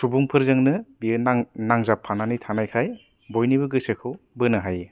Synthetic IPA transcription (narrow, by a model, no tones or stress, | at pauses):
subuŋpʰɯɾzɯŋnɯbiɯnaŋnaŋzapʰːananitʰanajkʰaj | bojniβɯɡɯsɯkʰɯw | bɯnɯɦaje